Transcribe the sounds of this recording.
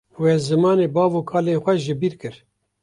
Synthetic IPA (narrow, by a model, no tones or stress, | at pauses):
wɛzɨmɑːneːbɑːvokʰɑːlexʷɛʒɪbiːɾkɨɾ